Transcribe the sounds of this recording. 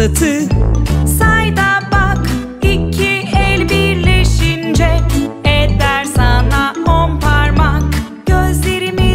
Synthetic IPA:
t̪ʰɯ | sajd̪abak | icʰiɛlʲbiɾleʃind͡ʒɛɛd̪æɾsanaompʰaɾmak | ɟ̥øzle̞ɾimi

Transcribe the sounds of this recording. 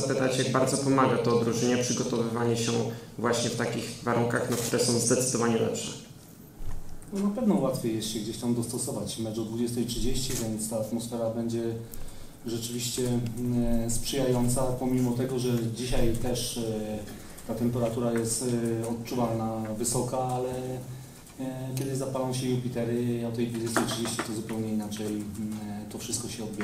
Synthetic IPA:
pɘt̪at͡ɕjaɡ̚baɾd̪zɔpɔmaɡat̪ɔːd̪ɾuʐɘɲɛpʂɘɡɔt̪ɔvɘvaɲɛɕɛvwaɕɲɛft̪akʲixvaɾuŋkaxnɔkt̪uɾɛsɔ̃w̃zd̪ɛt̪sɘd̪ɔvaɲɛlɛ̰pʂɛ | nɔnapɛvnɔwat̪fʲjejɛsɕɛɡd͡ʑeɕt̪amd̪ɔst̪ɔsɔvat͡ɕmɛt͡ʂd̪ɔd̪vud͡ʑɛst̪ɛjtʂɘd͡ʑeɕt͡ɕivʲjɛnt̪st̪aːt̪mɔsfɛɾabɛɲd͡ʑɛ | ʐɛt͡ʂɘvʲiɕt͡ɕɛ | spʂɘjajɔnt̪sapɔmʲimɔt̪ɛɡɔʐɛd͡ʑiɕajt̪ɛʂ | t̪at̪ɛmpɛɾat̪uɾajɛst̪ɔt̪t͡ʂuvalnavɘsɔkaalɛ | kʲɛd̪ɘʑzapalɔ̃w̃ɕɛjupʲit̪ɛɾɘɔt̪ɛjd̪vud͡ʑɛst̪ɛjtʂɨd͡ʑeɕt͡ɕit̪ɔzupɛwɲɛinat͡ʂɛj | t̪ɔfʂɘst̪kɔɕɛɔd̪̚bʲɛ

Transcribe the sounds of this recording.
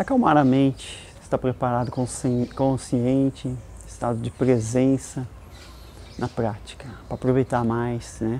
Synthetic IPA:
akawmaɾɐmẽnt͡ʃɪ̥ | ɪst̪apɾepaɾad̪ʊkõsekõsiẽnt͡ʃɪɪst̪ad̪ʊd͡ʒɪpɾezẽsɐ | nɐpɾat͡ʃi̥kɐpɾɐaːpɾovejt̪amajsnɛ

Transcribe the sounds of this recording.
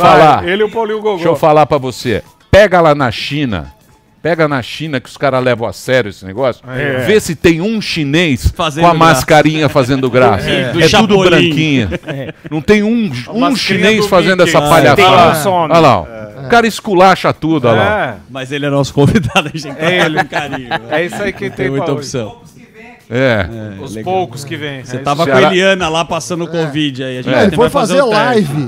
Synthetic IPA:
ffalaelɪɛʊpawlĩɲʊɡoɡʃowfalapɾɐvose | pɛɡɐlanɐʃĩnɐ̰ | pɛɡɐanɐʃĩnɐkɪʊ̥skaɾɐlɛvɐ̃w̃a̰sɛɾjʊesɪnḛɡɔsjʊ̥ɛvesɪt̪ẽj̃ũʃinejsfazõɐmaskaɾĩɲɐfazẽnd̪ʊɡɾasɐɛt̪ud̪ʊbɾɐ̃kĩɲɐnɐ̃w̃t̪ẽj̃ũũʃĩnejsfazẽndʊɛssɐpaʎãsoala̰wʊkaɾɐɪskulaʃɐt̪ud̪ʊala̰wmɐzelɪɛnɔsʊ̥kõvid̪ad̪ʊɐẽal̃kaɾĩɲʊɛisaikɪt̪ẽojt̪osɐ̃w̃ | ɛɛʊpowkʊskɪvẽj̃set̪avɐkõeliɐ̃nɐlapasɐ̃nd̪ʊkõvid͡ʒɪaiɐʒẽelɪfojfazeɾlajvɪ

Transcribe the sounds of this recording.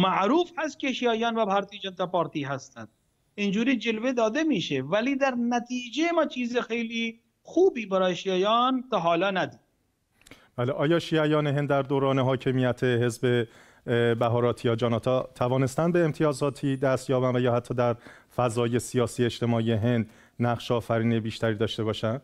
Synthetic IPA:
mæʔɾuːfhæst̪̚kʲeʃijæːjɒːnvæpʰɑɾt̪ʰiːd͡ʒent̪æpɒɾt̪iːɦæst̪ænd̪ | ind͡ʒuːɾiːd͡ʒelved̪ɒːd̪emiːʃevæliːd̪æɾnæt̪ʰiːd͡ʒejemɒːt͡ʃʰiːzexejliː | xuːbiːbæɾɒːjeʃiæjɒːnt̪ɔɦɒːlɒːnæd̪iːd̪ | b̥æːle̞ʔɒːjɒːʃiːæjɒːne̞ɦe̞nd̪ːæɾd̪oːɾɒːne̞ɦɒːcʰe̞miːjæt̪ʰeɦe̞zbe | bæɦɒːɾɒːt̪ʰijɒːd͡ʒɒːnɒːt̪ʰɒt̪ʰævɒːne̞st̪ænbe̞ːmt̪ʰijɒːzɒːt̪ʰiːd̪æst̪jɒːbænvæjɒːhæt̪ʰːɒːd̪æɾ | fæzɒːje̞sijɒːsiːe̞ʃt̪e̞mɒːieɦe̞nd̪ | næχʃeɒːfæɾiːnebiːʃt̪æɾiːd̪ɒːʃt̪e̞βɒːʃænd̪̥

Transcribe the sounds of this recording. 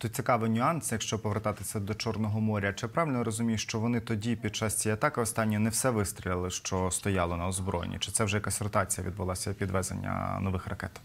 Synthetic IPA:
t̪ut̪̚ʲt͡sʲikɑʋɪnʲʊɑnsjɐkʃt͡ʃɔpɔʋert̪ɑt̪ɪsʲɐd̪ɔt͡ʃɔrnɔɦɔmɔɾʲɐt͡ʃɪpɾɑʋɪlʲnɔɾɔzʊmʲijʊʃt͡ʃɔʋɔnɪt̪ɔdʲipʲid̪̚t͡ʃɑsʲt͡sʲijɐt̪ɑkɪɔst̪ɑnʲːɔɔnɛwsɛʋɪst̪ɾʲilʲˠɪlˠɪʃt͡ʃɔst̪ɔjɑlˠɔnɐɔzbɾɔj̰nʲḭt͡ʃɪ̥t̪sɛwʒɛkɐsɔrt̪ɑt͡sʲijɐʋʲḭd̪̚bʊlˠɑsʲɐpʲid̪ʋɛzḛnʲːɐ̰nɔʋɪxrɐkɛ̰t̪

